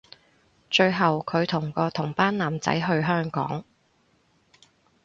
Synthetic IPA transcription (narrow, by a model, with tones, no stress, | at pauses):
t͡ʃɵ˧ɥɦɐ˨wkʰɵ˨˧ɥt̪ʰʊ˨˩ŋkɔː˧t̪ʰʊ˨˩ŋpaː˥nnaː˨˩mt͡sɐ̰˨˥jɦɵ˧ɥɦœː˥ŋkɔ̰ː˨˥ŋ